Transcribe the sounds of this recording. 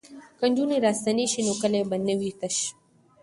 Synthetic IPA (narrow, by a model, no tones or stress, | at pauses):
kɐnduːniɾasɐneʃinokɐlebɐnːewiːt̪ɐʃ